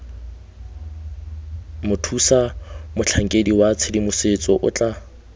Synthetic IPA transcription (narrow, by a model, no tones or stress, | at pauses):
mʊtʰusamʊt͡ɬʰaŋ̩kʼediwat͡sʰɪdimʊsɪt͡sʼɔʔʊ̰t͡ɬʼa